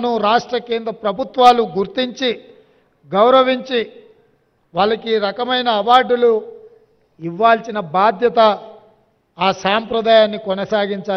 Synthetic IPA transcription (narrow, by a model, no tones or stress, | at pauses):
nuɾaːʂʈɾɐkeːnd̪ɾɐpɾɐbʱut̪ʋaːluɡuɾt̪iɲt͡ʃi | ɡɐwɾɐʋiɲt͡ʃi | ʋaːlɐkiɾɐkɐmɐjnɐːʋaːɾɖulu | iʋːaːlsinɐbaːd̪ʱjɐt̪ɐ | aːsaːmpɾɐd̪aːjaːnːikɔnɐsaːɡiɲt͡ʃaː